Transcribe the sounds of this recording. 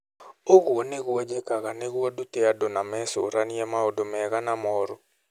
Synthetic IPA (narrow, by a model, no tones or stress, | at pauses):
oɣwɔnɪɣwɔd͡ʒekaɣaneɣwɔdut̪eadonamɛsoɾaniɛmaodomɛɣanamɔɾo